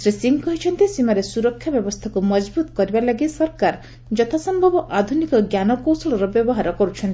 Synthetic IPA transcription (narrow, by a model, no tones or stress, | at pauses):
sɾisiŋkɔɦit͡ʃʰɔnt̪isimaɾesuɾɔkʰːjabjɔbɔst̪ʰakumɔd͡ʒbut̪kɔɾibalaɡisɔɾkaɾ | d͡ʒɔt̪ʰasɔmbʱɔbɔʔad̪ʱunikɔɡjanɔkowsɔɭɔɾɔbjɔbɔɦaɾɔkɔɾut͡ʃʰɔnt̪i